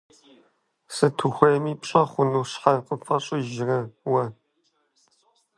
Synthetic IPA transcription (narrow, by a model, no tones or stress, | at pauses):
sɨtʰuxʷeːmiːpɕʼɐχʷʊnuːɕħɐqʼəfɐɕʼɪʒɪrɐwɐ